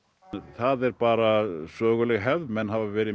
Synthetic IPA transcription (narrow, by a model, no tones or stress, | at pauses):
θaðɛɾpaːɾasœːɣʏlɛɣɦɛvðmɛnːhavavɛːɾɪ